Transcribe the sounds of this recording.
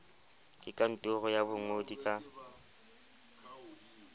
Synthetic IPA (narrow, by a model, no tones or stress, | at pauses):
kʼɪkʼan̩tʼʊɣɔjabʊŋodikʼa